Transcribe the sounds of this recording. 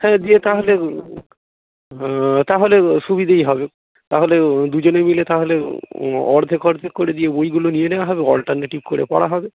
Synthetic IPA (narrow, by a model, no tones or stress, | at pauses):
hɛ̃ːd̪iet̪aɦole | t̪aɦoleʃubid̪ʱejɦɔbe | t̪aɦoled̪ud͡ʑonemilet̪aɦole | ɔɾd̪ʱekɔɾd̪ʱekoɾed̪ijebojɡulonijenewaɦɔbeɔlʈaɾnaʈib̚koɽḛpɔ̰ɽaɦɔbe